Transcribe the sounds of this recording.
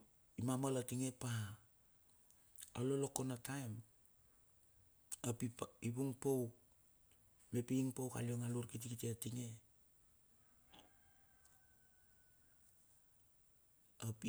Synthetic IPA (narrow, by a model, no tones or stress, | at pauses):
imamalatiŋe̞pa | alo̞loko̞natajm | apiibuŋpow | me̞piːŋpowka̰lioŋaluɾkit̬ikitiatiŋe̞ | api